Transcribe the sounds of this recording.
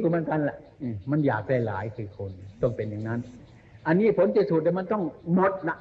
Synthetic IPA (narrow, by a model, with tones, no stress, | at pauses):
u˧˩ma˧˦nka˧nla˨˩ʔʔɯː˧˩ma˧njaː˨˩k̚daː˥˩jla̰ː˩˦jkʰɯː˧kʰo˧nt̪ɔ˥˩ŋpe˨nja˨˩ŋna˦˥n | ʔa˧nːiː˦˥˩pʰo˨˦nt͡ɕe˨t̪̚suː˨˩t̪̚ːɛː˨˧˦ma˧nt̪ɔ˥˩ŋmo˨˩t̪̚na˦˥ʔ